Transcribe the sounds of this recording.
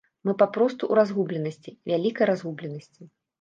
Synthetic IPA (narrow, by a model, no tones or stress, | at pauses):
mɨpapɾɔst̪uʔuɾazɣublʲɛnɐsʲt͡sʲivʲalʲikɐjɾazɣublʲɛnɐsʲt͡sʲi